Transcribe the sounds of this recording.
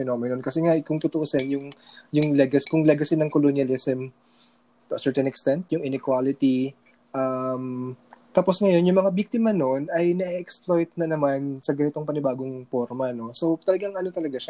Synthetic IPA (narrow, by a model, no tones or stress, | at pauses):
fɛno̞mɪnolkɐsɛŋakʊŋt̪ot̪oʔosɛnjʊŋjʊŋlɛɡɐskʊŋlɛɡɐsɪnɐŋkolonjɐlɪsɛm | ʔɐsɛɹt̪ɛnɛkst̪ɛnt̪̚jʊŋɪnɪkwalɪt̪i | ʔamt̪aːpo̞sŋɐjo̞njʊŋmɐŋabik̚t̪ɪmɐno̞nɐjnɐʔiʔɛksplo̞jt̪̚nɐnɐmansɐɡɐnɪt̪o̞ŋpɐnɪbaːɡoŋpo̞ɾmɐno̞so̞wt̪ɐlɐɡaŋʔɐno̞t̪ɐlɐɡaʃa